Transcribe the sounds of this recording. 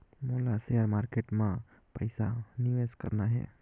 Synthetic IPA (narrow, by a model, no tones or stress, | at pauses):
molaseaɾmaːɾkeːʈmã | pəjsaniʋeskə̰ɾnaɦɛ̰ː